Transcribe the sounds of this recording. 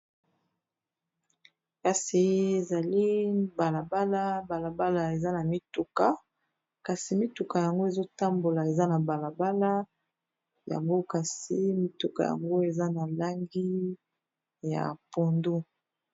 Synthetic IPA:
ka˨si˨e˨za˨li˦ba˨la˨ba˦la˦ba˨la˨ba˦la˨e˨za˦na˨mi˦tu˨ka˨ | ka˨si˨mi˦tu˨ka˨ja˨ŋɡo˦e˨zo˦ta˦mbo˨la˨e˨za˦na˨ba˨la˨ba˦la˦ | ja̰˨ŋɡo˦ka˨si˨mi˦tu˨ka̰˨ja̰˨ŋɡo˦e˨za˦na˨la˦ŋɡi˦ | ja̰˨po˨ndu˦

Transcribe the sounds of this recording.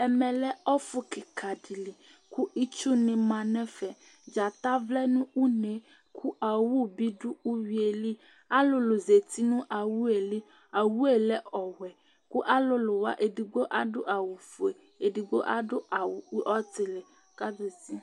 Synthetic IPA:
ɛ˨mɛ̃˨lɛ˦ɔ˦fʊ˦ki˨kʰa˨ɖi˨li˨ | ku˦i˦t͡ʃu˦nɪ̃˨mã˨nɛ̃˦fɛ˨ | d͡ʒa˨t̪a˦vlɛ˦nũ˦u˦ne˨ | kʰu˦ʔa˨wu˦bi˦ɖu˦u˦wi˦e˨li˦ | a˦lʊ˦lo˨ze˨t̪i˦nũ˦ʔa˨wu˦e˨li˦ | a˨wu˦e˨lɛ˦ɔ˨wɛ˨ | ku˦ʔa˦lʊ˦lʊ˨wa̰˦ʔe˨di˨ɡ͡bo˦ʔa˦dʊ˦ʔa˨wu˨fu˨e˨ | e˨di˨ɡ͡bo̰˦ʔa̰˦ɖʊ˦ʔa˨wu˨˦ʔɔ˦t̪ɪ˨lɛ˨ | ka˦d̪e˨si˦

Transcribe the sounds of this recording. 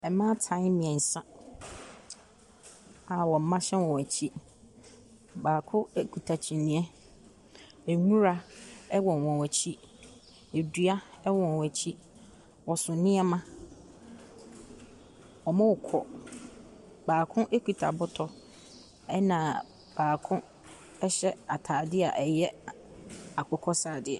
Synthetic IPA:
ɛ˨mã˦tʰã˦ɪ˦mːɪ̃˨ɛ̃˨n̩˨sã˦ | a˨wɔ˨m̩˦mã˦ɕɛ̃˦wɔ̃˨æ˨t͡ɕʰi˦ | baː˨kʰʊ̃˦kʰu˨tʰa˨t͡ɕʰĩ˨nɪ̃˨˦ɛ˦ | e˨ŋũ˦ɾa˦ɛ˦wɔ̃˨n˨wɔ̃˨wæ˨t͡ɕʰi˦ | e˨du˦a˦ɛ˦wɔ̃˨n˨wæ˨t͡ɕʰi˦ | wɔ˨sʊ̃˨nɪ̃˦ɛ˦mã˦ | ɔ˨mã˦wʊ˨kʰɔ˨ | baː˨kʰʊ̃˦ʔe˦kʰu˨tʰa̰˨bʊ˦tʰɔ˨ | ɛ˦nã˨ | b̥aː˨kʰʊ̃˦ | ɛ˦ɕɛ˦a˨tʰaː˨dɪ˦a˨ʔɛ˨jɛ˦ | a˨kʰɔ˨kʰɔ˦saː˨dɪ˨ɛ̰˨

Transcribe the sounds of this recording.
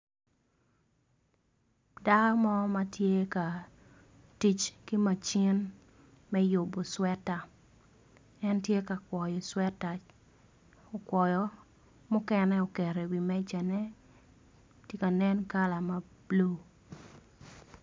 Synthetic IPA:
da˦kɔ˦mɔ˦ma˦tje˦ka˨ | ti˦t͡ʃki˦ma˨t͡ʃi˦n | mɛ˦jo˨bo˨swɛ˦ta˨ | ɛ˦ntje˦ka˨kwɔ˨jɔ˨swɛ˦ta˨ | ɔ˨kwɔ˨jɔ˨ | mʊ˦kɛ˦nɛ˦ɔ˨kɛ˨ɾe˨wi˨mɛ˦d͡ʒa˨nɛ˦ | te˦ka˨nɛ˦nka˦la˨ma˨˦blo˦

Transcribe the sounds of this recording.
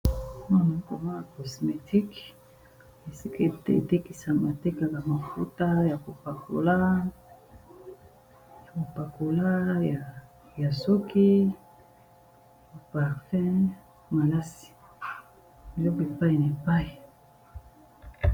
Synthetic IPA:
ma˦na˨˦ko˨va˦na˨ko˨sme˨ti˦k | e˨si˦ka˦˨tḛ˨te˦ki˨sa˨ma˨te˦ka˨ka˨ma˨fu˦ta˦ja˨ko˨pa˨ko̰˨la˦ | ja˨ko˨pa˨ko˨la˦ja˨ | ja˨so˦kʰi˦˨ | o˨pa˨ʁfɛ˦ | ma˨la˦si̥˨ | bi˨lɔ˦ke˨pa˦i˨na˨e˨pa˦i˨

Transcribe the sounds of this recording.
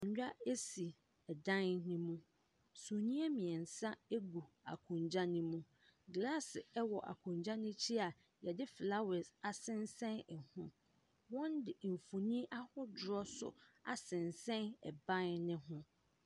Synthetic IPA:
ʊ̃˨ɲ˦d͡ʑᶣa˦e˦si˨ | ɛ˨dã˦nnĩ˦mũ˦ | sũ˨nĩ˦ɛ˦mĩ˨ɛ˨n̩˨sa˦e˦ɡu˨ | a̰˨kʰũ˨ɲd͡ʑa˦nɪ̃˦mũ˦ | ɡla˦sɪ˨ɛ˦wɔ˨ʔa̰˨kʰʊ̃˨ɲd͡ʑã˦nɪ̃˦t͡ɕʰi˦a˨ | jɛ˨dɪ˦fla˦wɛ˨sa˨sɪ̃˦nsɛ̃˦nɛ˨hʊ̃˦ | wɔ̃˦ndɪ˨m̩˨fu˨nĩ˦ʔa˦hɔ˦dʊ˨ɾɔ˦sʊ̰˨a̰˨sɪ̃˨nsɛ̃˦nɛ̰˨bã˦nnɪ̃˦ɦʊ̃˦

